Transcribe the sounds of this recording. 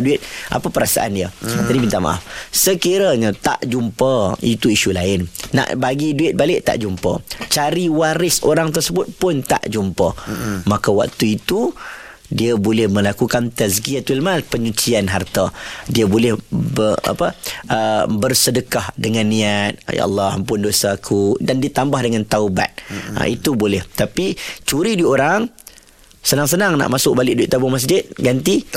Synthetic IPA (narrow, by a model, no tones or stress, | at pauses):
duɪt̪̚ʔa̰pəpəɾasa̰ʔa̰ndiəd͡ʒadimint̪aʔma̰ʔa̰fsəkiɾaɲət̪a̰ʔd͡ʒumpəit̪uiʃulaɪnːa̰ʔbaɡiduɪt̪̚balɪʔt̪a̰ʔd͡ʒumpə̰t͡ʃaɾiwaɾɪso̰ɾaŋt̪ərsəbʊt̪̚pʊnt̪a̰ʔd͡ʒumpəmakawa̰k̚t̪uit̪u | diəbolɛhmə̃lakukant̪əsɡiat̪ulmalpəɲut͡ʃianɦart̪adiabolɛhbəa̰pəʔəbərsədəkahdəŋanːĩat̪̚ja̰ʔa̰lːaa̰mp̬ʊndosaːkʰudandiət̪ambahdəŋant̪auba̰t̪̚a̰it̪ubolɛht̪apit͡ʃuɾidioɾaŋ | sənaŋsənaŋna̰ʔmasʊʔ̚balɪʔ̚doiʔt̪abʊŋmas̬d͡ʒɪt̪̚ɡant̪i